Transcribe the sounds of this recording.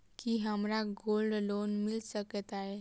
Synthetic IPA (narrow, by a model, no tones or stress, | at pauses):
kiɦəmɾaɡolɖlonmilsəkət̪ae